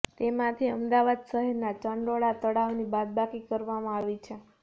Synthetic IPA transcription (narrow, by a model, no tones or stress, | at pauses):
t̪emãt̪ʰiəmd̪aʋad̪səɦeɾnat͡ʃəɳɾoɭat̪əɽaʋnibad̪̚bakikəɾʋamãaʋit͡ʃʰe